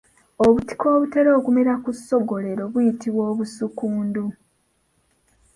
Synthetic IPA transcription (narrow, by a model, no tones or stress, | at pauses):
oβuti̥ko̞ːβute̞ɾo̞ːkume̞ɾakusːo̞ɡo̞le̞ɾo̞βujitiβwo̞ːβusukuːndu